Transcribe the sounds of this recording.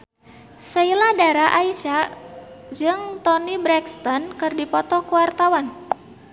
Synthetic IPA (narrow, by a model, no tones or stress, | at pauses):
sailadaɾaʔaisa | d͡ʒɨŋt̪ɔnibɾɛkst̪ɔnkɨrdipɔt̪ɔkuwart̪awan